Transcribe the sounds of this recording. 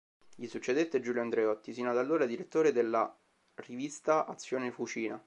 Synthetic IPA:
ʎisut͡ʃːed̪et̪ːed͡ʒuljand̪ɾeɔt̪ːisiːnad̪alːoːɾad̪iɾet̪ːoːɾed̪elːa̰ | rivist̪aʔat̪sːjoːnefut͡ʃiːna

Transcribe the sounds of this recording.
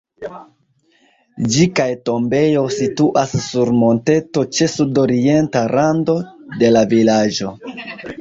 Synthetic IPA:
d͡ʒikajto̞mbe̞jo̞situʔasːuɾmo̞nte̞to̞t͡ʃe̞sudo̞ɾie̞ntaɾando̞de̞lavilad͡ʒo̞

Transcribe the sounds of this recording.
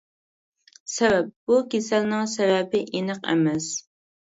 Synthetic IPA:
sɛvɛp̚bukʲesɛlnɪŋsɛvɛbɪʔinəqɛ̰mɛs

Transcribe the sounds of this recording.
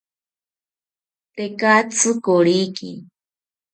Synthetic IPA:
t̪ekat͡sʰɨkoɺikḭ

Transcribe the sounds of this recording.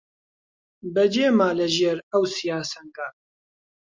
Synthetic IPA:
bɛd͡ʒeːmaːlɐʒeːɾɐwsijaːsɐŋkaː

